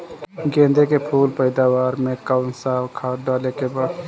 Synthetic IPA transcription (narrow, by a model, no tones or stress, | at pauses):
ɡẽːnd̪ekepʰuːlpəɪd̪aːʋaːɾmẽkaʊnsaːwkʰaːɖaːlekebaːd